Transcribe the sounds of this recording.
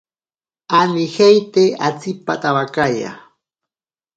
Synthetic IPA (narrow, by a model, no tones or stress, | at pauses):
anɪhejt̪eat͡sɪpat̪awakaja̰